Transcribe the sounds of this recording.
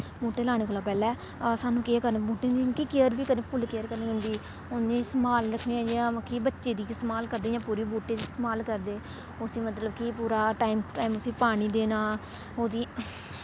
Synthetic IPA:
buːʈeːlaːɽ̃eːkoːlaːpɛːlɛː | saːnũːkɪaːkəɾnːbuːʈẽːd̪ikiːkeəɾbiːkəɾnẽːpʰʊlkeːəɾkəɾnẽːɦʊ̃nd̪iː | ʊnẽːɪsmaːlɾəkʰniːɛ̃ːd͡ʒãːkibətːʃeːd̪iːɪst̪maːlkəɾd̪eːd͡ʒãːpuːɾiːbuːʈeːd̪iːst̪emaːlkəɾd̪eː | ʊsiːmət̪ləbkipuːɾaːʈaːiːmʈaːiːmʊsiːpaːɽ̃iːd̪eːnaː | ɦoːd̪iː

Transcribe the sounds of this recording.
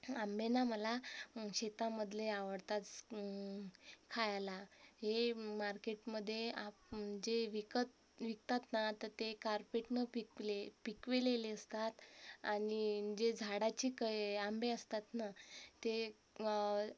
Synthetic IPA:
ambenaməlaɕet̪aməd̪ʱleaʋəɽt̪at͡s | kʰajlaɦemaɾkeʈməd̪ʱːjeap̚d͡ʑeʋikət̪ | ʋik̚t̪at̪nat̪əɾt̪ekaɾpeʈnəpiklepikʋeleleəst̪at̪añid͡ʑed͡zʱaɽat͡ɕiːkəambeəst̪at̪nat̪e

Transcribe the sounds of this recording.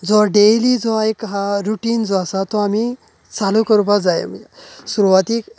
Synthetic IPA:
d͡zɔɖelid͡zɔajkɦaɾuʈiːnd͡zɔasat̪ɔami | t͡salukəɾupad͡zajḛmisuɾuʋat̪iːk

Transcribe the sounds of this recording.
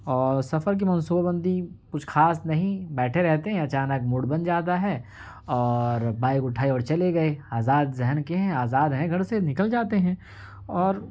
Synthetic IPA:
ɔːɾsɐfəɾk̬imɐ̃nsuːbabɐ̃nd̪ʱikʊt͡ʃʰxʰaːsnɐɦĩbɛːʈʰeɾɛɦt̪eɦɛ̃ɐt͡ʃaːnək̚mʊɽbɐ̃nd͡ʒaːd̪aɦɛː | ɔːɾbaːɪkʊʈʰaːiɔːɾt͡ʃɐleɡɐeaːzaːd̪zɛɦənkeɦɛ̃aːzaːd̪ɦɛ̃ɡʱɐɽ̃senɪkəld͡ʒaːt̪eɦɛ̃ː | ɔːɾ

